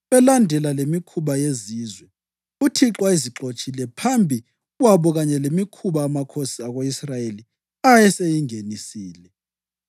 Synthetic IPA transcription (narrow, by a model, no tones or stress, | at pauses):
βɛlandʱɛlalemikʰuβajeziːzwɛ | utʰiǁwaiziǁot͡ʃʼilɛpʰambʱi | waβɔɣaɲɛlemikʰuβaːmakʰosiaɣoisrajeli | ajɛsejiŋenisiːlɛ